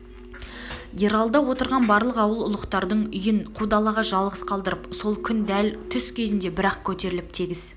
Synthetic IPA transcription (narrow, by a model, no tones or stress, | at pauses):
je̞ɾɑlˠd̪ɑwo̞t̪əɾʁɑnbɑɾlˠəqɑwəlˠʊ̰lˠəqt̪ɑɾd̪əɴʏjɪɴqʰud̪ɑlˠɑʁɑʒɑlˠʁəsqʰɑlˠd̪əɾəpso̞lˠkʲʰʏnd̪ælt̪ʰʏskʲʰe̞zɪnd̪e̞bɪɾɑqkʲʰɵt̪e̞ɾɪlɪp̚t̪ʰiɡʲɪz